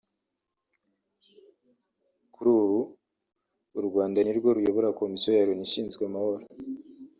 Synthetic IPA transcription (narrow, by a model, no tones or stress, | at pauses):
kuɾuːβu | ɾuɡwaːndaniɾɡo̞ɾujoβoɾako̞misijojaɾoniʃiːnzɡweamaho̞ɾo